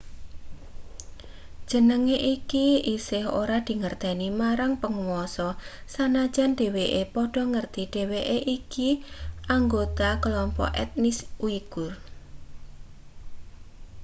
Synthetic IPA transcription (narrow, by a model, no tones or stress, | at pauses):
d̥ʒ̥ə̤nəŋeʔikiisɪɦo̰ɾad̪̥i̤ŋərt̪ɛnimaɾaŋpəŋuwɔsɔsanḁd͡ʒanɖ̥e̤weʔepɔɖ̥ɔ̤ŋərt̪iɖ̥e̤weʔeʔikiʔaŋɡot̪akəlɔmpɔ̰ʔɛ̰t̪̚nisuiɡ̥ʊr